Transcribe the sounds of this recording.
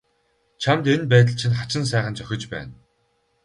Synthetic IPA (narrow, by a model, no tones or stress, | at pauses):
t͡ɕʰamt̪enpæːt̪̬ə̆ɮt͡ɕʰinχat͡ɕɪ̆ns̬æːχə̆nt͡ɕœxʲɪ̆t͡ɕpæ̰ːn